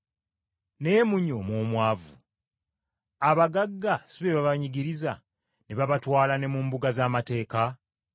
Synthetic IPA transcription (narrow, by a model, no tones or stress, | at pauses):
ne̞ːmuɲo̞mwoːmwaːvṵ | aβaɡaɡːasiβeβaβaɲiɡiɾiza | neβaβatwaːlane̞mumbuɡazaːmate̞ːka